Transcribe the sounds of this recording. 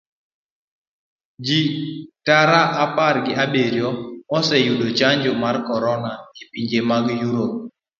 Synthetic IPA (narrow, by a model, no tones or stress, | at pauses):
d͡ʒitaɾaʔapaɾɡɪabeɾjɔɔsɛjudot͡ʃaɲd͡ʒʊmarkɔɾɔnaipiɲd͡ʒemaɡjuɾop̚